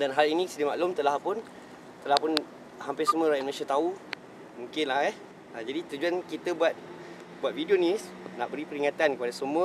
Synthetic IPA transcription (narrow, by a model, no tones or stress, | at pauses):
danɦalinĩsədimaʔlʊmt̪əlahpʊn | t̪əlahpʊn | hampɪsəmuəɾaindũnẽsat̪au | mũŋkɪnlaɦɛ | ad͡ʒadit̪ət̪ud͡ʒuankit̪əbuat̪̚ | buat̪̚vidionis | naʔbəɾipəɾiŋat̪ankəpadasəmũə